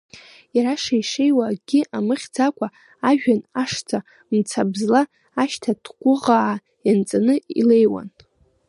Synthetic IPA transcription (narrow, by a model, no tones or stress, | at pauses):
jaɾaʂaiʂejwaɡ̥ʲɪʔamɨχʲd͡zakʷʰʼa | aʒᶣanaʂt͡sʰa | mt͡sʰabzlaː | ʃtʰadʰɡʷʊʁaʕa | jant͡sʼanɨḭlejwa̰n